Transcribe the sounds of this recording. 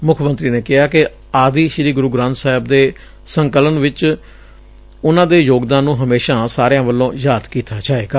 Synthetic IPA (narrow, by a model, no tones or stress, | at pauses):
mʊkʰmə̃nt̪ɾiːneːkɪɦaːkɪ | aːd̪iːʃɾiːɡʊɾuːɡɾãːnt̪saːɦɪbd̪eː | səŋkələnʋɪt͡ʃ | ʊnãːd̪eːjoːɡd̪ãːnːũːɦəmeːʃãːsaːɾejãːʋəlːõːjaːd̪kiːt̪ʰaːt͡ʃaːeːɡaː